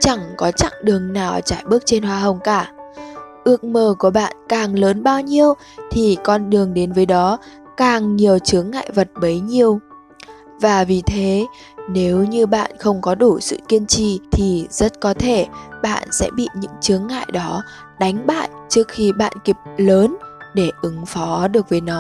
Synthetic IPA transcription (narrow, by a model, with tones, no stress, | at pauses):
t͡ɕa˧˩ŋkɔ˨˦t͡ɕa̰˧˨ŋɗɨ˨˩əŋnaː˨˩wt͡ɕaː˧˩jɓɨ˦˥ək̚t͡ɕe˧nhwaː˧ɦə˨˩wŋ͡mkaː˧˩ | ʔɨ˦˥ək̚məː˨˩ku˧˩əɓa̰ː˧˨nkaː˨˩ŋləː˨˦nɓaː˧wɲi˧əw | t̪ʰi˨˩kɔ˧nɗɨ˨˩əŋɗe˨˦nvəː˨˦jɗɔ˨˦ | kaː˨˩ŋɲi˨˩əwt͡ɕɨ˨˦əŋːa̰ː˧˨jvə˨˩t̚ɓə˨˦jɲi˧əw | vaː˨˩vi˨˩t̪ʰe˨˦ | ne˨˦wɲɨ˧ɓa̰ː˧˨nxə˧wŋ͡mkɔ˨˦ɗu˧˩sɨ̰˧˨ki˧ənt͡ɕḭ˧˨t̪ʰi˨˩zə˦˥t̚kɔ˨˦t̪ʰe˧˩ɓa̰ː˧˨nsɛ̰˧˥ɓḭ˧˨ɲɨ̰˧˥ŋt͡ɕɨ˨˦əŋːa̰ː˧˨jɗɔ˨˦ | ɗa˨˦jŋ̟ɓa̰ː˧˨jt͡ɕɨ˦˥ək̚xi˧ɓa̰ː˧˨nki˨˩p̚ləː˨˦nɗe˧˩ʔɨ˨˦ŋfɔ˨˦ɗɨ˨˩ək̚vəː˨˦jnɔ˨˦